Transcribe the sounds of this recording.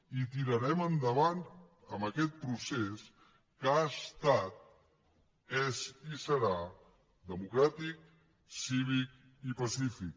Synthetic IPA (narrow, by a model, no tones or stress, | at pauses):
it̪iɾəɾɛmənd̪əβant̪ | əmbəkɛt̪̚pɾuses | kaəst̪at̪̚ | ɛzisəɾa | d̪əmukɾat̪ik̚ | siβik̚ | ipəsifik̚